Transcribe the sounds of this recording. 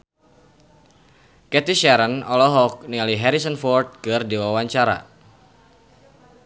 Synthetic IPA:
kɛt̪iʃɛɾənɔlɔɦɔk̚niŋaliɦɛɾisənfɔrt̪̚kɨrdiwawaɲt͡ʃaɾa̰

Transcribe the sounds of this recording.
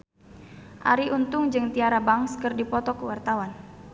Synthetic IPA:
ʔa̰ɾiʔunt̪ʊŋd͡ʒɨŋt̪iaɾabaŋskɨrdipɔt̪ɔkəwart̪awan

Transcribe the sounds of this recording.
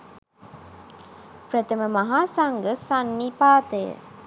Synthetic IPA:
prət̪əməmɐɦaːsaŋɡəsanːipaːt̪əjə̰

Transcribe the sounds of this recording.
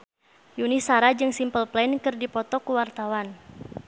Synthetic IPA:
junisaɾad͡ʒɨŋsimpəlplɛnkɨrdipɔt̪ɔkuwart̪awan

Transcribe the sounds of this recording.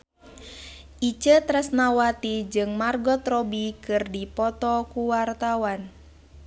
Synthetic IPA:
ʔit͡ʃət̪ɾɛsnawat̪id͡ʒɨŋmarɡɔt̪rɔbikɨrdipɔt̪ɔkuwart̪awan

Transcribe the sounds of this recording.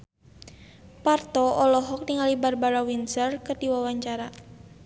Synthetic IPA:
part̪ɔɔlɔɦɔk̚nɪŋalibarbaɾawinsərkədiwawaɲt͡ʃaɾa

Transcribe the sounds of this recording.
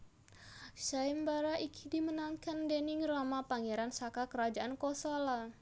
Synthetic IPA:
ʃaimbaɾaʔikʰi̥dimənankandenɪŋramapaŋeɾansakakəɾad͡ʒaʔankɔsɔla

